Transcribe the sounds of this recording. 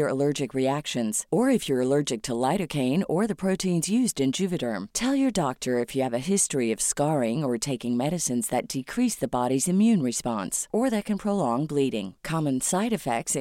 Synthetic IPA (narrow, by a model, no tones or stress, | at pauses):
ə˞əlɜ˞d͡ʒɨkɹiækʃɨ̃nz̥ə˞ɨfjə˞əlɜ˞d͡ʒɨk̚tʰəlaɪɾɨkʰẽɪ̃nə˞ðɨpʰɹ̥oʊɾʰĩnzjʉzdɨ̃nd͡ʒʉvɨɾə̃˞mtʰɛlˠjə˞dɑk̚tʰə˞ɨfjɨːvɨɦɪstɹ̥iʌv̥skɑɹɪ̃ŋə˞tʰeɪkɪ̃ŋmɛɾɨsɨ̃nzðɨt̚d̥ɨkʰɹ̥isðɨbɑɾizɨ̃mjʉ̃nɹɨspɑ̰̃nsə˞ðɨt̚kʰɨ̃npʰɹ̥oʊlɔ̃ŋbliɾɪ̰̃ŋkʰɑmɨ̃nsaɪɾɨfɛk̚ts